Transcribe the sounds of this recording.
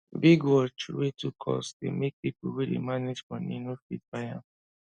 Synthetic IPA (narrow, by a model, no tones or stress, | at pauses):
biɡwɔt͡ʃɹetukʰɔ̰sdḛmek̚pipuwedḛmaned͡ʒfɔ̃nĩnofifaja